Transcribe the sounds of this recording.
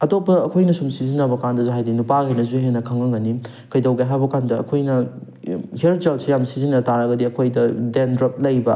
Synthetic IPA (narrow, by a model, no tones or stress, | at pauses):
ɐtopːɐɐkʰojnɐsumsizinːɐbɐkandɐzuɦajdinupaɡɐjnɐzuɦenːɐkʰɐŋɐŋɡɐni | kɐjdawɡajɦabɐkandɐɐ̰kʰojnɐ | hiɾd͡ʒalsʰijamsizinːɐtaɾɐɡɐdiɐkʰojdɐdendɾɐp̚lɐjbɐ